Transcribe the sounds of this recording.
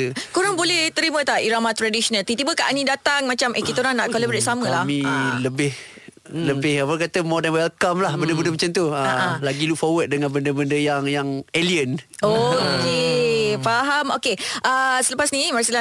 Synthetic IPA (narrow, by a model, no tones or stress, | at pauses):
ukuɾaŋbolɛht̪əɾimə̃t̪aʔiɾamat̪ɾadisonalt̪it̪ibəkaʔanĩdat̪aŋmat͡ʃamʔekit̪oɾanːaʔkolabɾet̪̚samə̃lamĩləbɪh | ləbɪhabkat̪əmɔdanwalkamlahbəndəbəndəmat͡ʃamt̪uəaalaɡiluk̚fɔwət̪̚dəŋãnbəndəbəndəjaŋjaŋeliənokefaɦamokeʔəsələpasnimasila